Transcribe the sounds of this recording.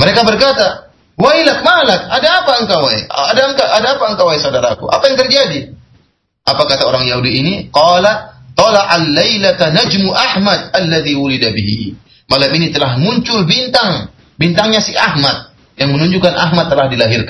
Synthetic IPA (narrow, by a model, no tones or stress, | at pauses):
məɾekabərkat̪a | wajlak̚malakadaːpaəŋkawaj̰adaəŋkaʔadaːpaəŋkawaijsaudaɾakuʔa̰pajaŋt̪ərd͡ʒadi | ʔapakat̪aoɾaŋjaɦudiːniqɑlat̪ˤɑlaʔalːejlat̪anad͡ʒmuʔahmad̪̚alːaðiwulidabiɦḭ | malaminit̪əlahmuɲt͡ʃʊlbint̪aŋ | bint̪aŋɲasiahmat̪̚ | jaŋmənuɲd͡ʒukanʔa̰ɦmat̪ːəlahdilaɦirkan